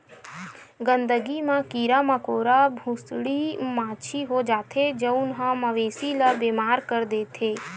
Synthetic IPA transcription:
ɡə̃nd̪əɡimãkiːɾaməkoːɾabʱusɽimaːt͡ʃʰiɦod͡ʒaːt̪ʰed͡ʒəʊnɦãməʋeːsilabeːmaːɾkəɾd̪eːt̪ʰeː

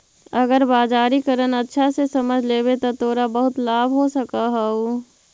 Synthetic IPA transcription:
əɡəɾbaːd͡ʒaːɾikəɾənətːʃʰasesəməd͡ʒʱleːbet̪ot̪oːɾabəɦʊt̪laːbʱɦosəkaɦau

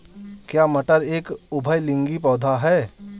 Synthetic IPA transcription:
kjaːməʈəɾeːkʊbʱəjlɪ̃ŋɡipɔːd̪ʱaɦɛː

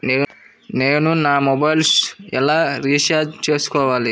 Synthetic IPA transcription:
neː | neːnunaːmɔbɐjlsɛ̰laːɾiːsaːd͡ʒt͡ʃeːsu̥kɔːʋaːli

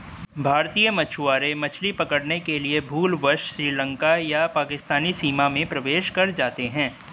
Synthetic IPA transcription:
bʱaːɾt̪ijəmɐt͡ʃʰuaːɾẽmɐt͡ʃʰlipɐkəɽnekeliebʱuːlʋəɾʃʃɾiːlə̃ŋkajapaːkɪst̪aːnisiːmamẽpɾɐʋeːʃkɐɾd͡ʒaːt̪eɦɛ̃ː

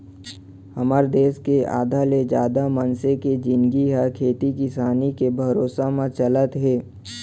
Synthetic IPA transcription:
həməɾd̪eːskea̰ːd̪ʱaled͡ʒaːd̪amənseked͡ʒɪ̃nɡiɦakʰeːt̪ikɪsaːnikebʱɐɾoːsamãt͡ʃələt̪ɦɛː

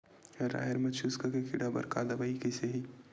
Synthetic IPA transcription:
ɾa̰ːɦeɾmɐt͡ʃʰuskakekʰiɽabɐ̰ɾka̰ːd̪ɐbaikeseɦi

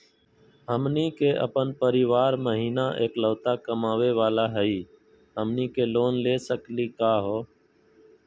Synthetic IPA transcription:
ɦəmniːkeːʔə̰pənpəɾɪʋaːɾməɦiːnaːʔeːkləːt̪aːkəmaːʋeːʋaːlaːɦəiː | ɦəmniːkeːloːnleːsəkliːkaːɦoː

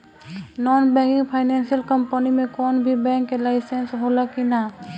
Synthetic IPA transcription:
nɔːnbɛ̃ːŋkɪ̃ŋɡpʰaɪnɛːnsijəlkəmpənimẽkɔːnbʱibɛ̃ːŋkːelaɪsensɦolakina

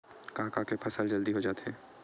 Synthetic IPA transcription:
kaːɦkakepʰɐsəld͡ʒɐld̪iɦod͡ʒaːt̪eɛː

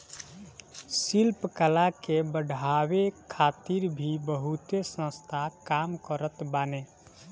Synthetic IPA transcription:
silpkəlakebəɖʱawekʰat̪iɾbʱibəɦut̪esə̃st̪ʰakamkəɾət̪bane

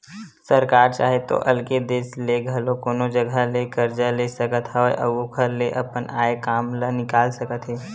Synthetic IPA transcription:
səɾkaːɾt͡ʃa̰ːɦet̪o̰ʔɐlked̪eːsleɡʱɐlõkoːnod͡ʒəɡʱəlekəɾd͡ʒalesəkət̪ɦɛoʔə̰ɡokʰəɾleʔɐpənaːekaːmlənɪkaːlsəkət̪ɦɛː

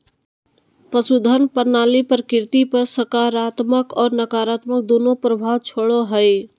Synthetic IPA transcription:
pəsud̪ʱənpəɾnaːlipəɾkɪɾt̪ipəɾsəkaːɾaːt̪məkɔːɾnəkaːɾaːt̪mək̚d̪oːnopɾəbʱaːwt͡ʃʰoɽoɦəj

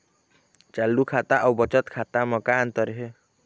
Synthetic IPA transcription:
t͡ʃalːukʰat̪aʔaubət͡ʃət̪kʰat̪aməkant̪əɾɦe

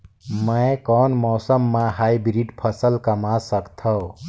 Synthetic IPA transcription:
mə̃ɪkɔːnmɔːsəmːãɦaibɾiɖpʰəsəlkəmasəkt̪ʰɔ

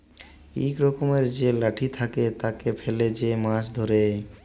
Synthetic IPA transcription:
ḭkɾɔkomeɾd͡ʑelaʈʰit̪ʰaket̪akefʰeled͡ʑemãʃd̪ʱoɾe

